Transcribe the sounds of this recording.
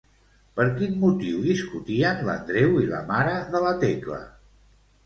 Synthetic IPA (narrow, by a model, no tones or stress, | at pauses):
pəɾkinmut̪iwðiskut̪iəːmlə̰nd̪ɾewilə̰maɾəðələt̪eklə̰